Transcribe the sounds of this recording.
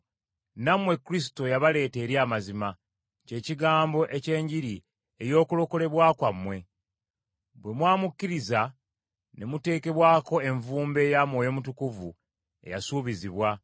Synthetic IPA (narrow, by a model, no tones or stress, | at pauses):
namwe̞kuɾis̬i̥to̞jaβale̞ːte̞ːɾjaːmazima | ce̞ːciɡaːmbo̞ʔe̞ce̞ːɲɟiɾi | e̞jo̞ːkulo̞ko̞le̞βwaːkwamːwe̞ | bwe̞mwaːmukːiɾiza | ne̞mute̞ːke̞βwaːko̞e̞ɱvuːmbe̞jamwo̞ːjo̞mutukuvu | e̞̰jasuːβiziβwa